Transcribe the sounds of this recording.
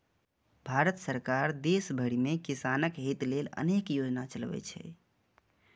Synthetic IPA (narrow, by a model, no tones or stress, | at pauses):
bʱaɾət̪səɾkaɾd̪esbʱəɽimekisanəkɦit̪lelə̰nekjod͡ʒnat͡ʃəlbɛ̰t͡ʃʰɛ̰